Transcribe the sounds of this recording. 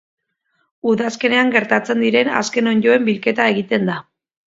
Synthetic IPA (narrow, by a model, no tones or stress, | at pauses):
uðaske̞ne̞aŋɡe̞ɾt̪at͡se̞nd̪iɾe̞na̰ske̞noɲɟo̞e̞mbilke̞t̪ae̞ɣit̪e̞nd̪a